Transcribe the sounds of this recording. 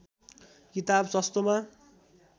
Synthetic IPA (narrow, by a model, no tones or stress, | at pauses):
kit̪absʌst̪oma